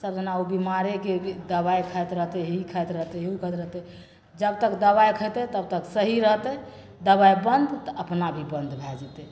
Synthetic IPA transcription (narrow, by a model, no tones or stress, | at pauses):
səɾd͡ʒənaubimaɾeked̪əbaekʰəjt̪ɾəɦt̪ɛɦikʰəjt̪ɾəɦt̪ɛukʰət̪ɾəɦt̪ɛ | d͡ʒəb̚t̪əkd̪əβajkʰət̪ɛt̪əb̚t̪əksəɦiɾəɦt̪ɛ | d̪əbajbənd̪t̪əəpnabʱibənd̪bʱɛd͡ʒɛt̪ɛ